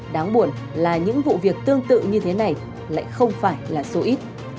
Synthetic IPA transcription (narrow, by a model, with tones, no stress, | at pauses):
ɗaː˨˦ŋɓu˧˩ən | laː˨˩ɲɨ̰˧˥ŋvṵ˧˨vi˨˩ək̚t̪ɨ˧əŋt̪ɨ̰˧˨ɲɨ˧t̪ʰe˨˦na˨˩j | la̰ː˧˨jxə˧wŋ͡mfaː˧˩jlaː˨˩so˧ʔi˦˥t̚